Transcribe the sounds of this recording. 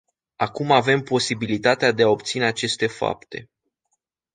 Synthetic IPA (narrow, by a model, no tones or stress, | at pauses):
akumave̞mpo̞sibilit̪at̪ead̪e̞ao̞p̚t̪sine̞at͡ʃe̞st̪e̞fa̰p̚t̪e̞̰